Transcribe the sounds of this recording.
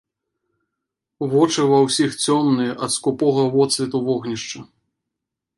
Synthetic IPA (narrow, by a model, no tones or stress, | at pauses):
vɔt͡ʂɨvɐwsʲixt͡sʲɔmnɨʔɐt̪skupɔɣɐvɔt̪svʲit̪uvɔɣnʲiʂt͡ʂɐ